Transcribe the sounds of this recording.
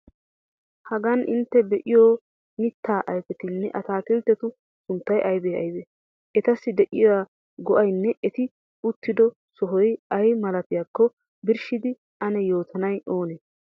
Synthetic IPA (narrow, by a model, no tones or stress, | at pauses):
hɐɡɐnʔɪ̰nt̪ːɛbɛʔɪjoː | mɪt̪ːaːʔɐjfɛt̪ɪnːɛʔɐt̪aːt̪ɪlt̪ːɛt̪ʊ | sʊnt̪ːɐjʔɐjbeɐ̰jbeː | ʔɛt̪ɐsːɪd̪ɛʔɪjɔwa | ɡɔʔɐjnːɛʔɛt̪ɪ | ʊt̪ːɪd̪ɔ | sɔɦɔjɐjmɐlɐt̪ɪjaːkːɔ | bɪɾʃɪd̪ɪ | ʔɐnɛjoːt̪ʰɐnɐjʔoːneː